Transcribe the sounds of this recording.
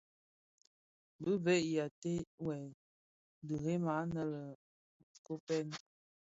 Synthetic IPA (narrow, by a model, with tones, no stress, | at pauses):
bə˦ve˦ʔja˨te˦wɛ˨ | də˨ɣe˦ma˨˦nə˦lə˨ | ko˦pɛ˦n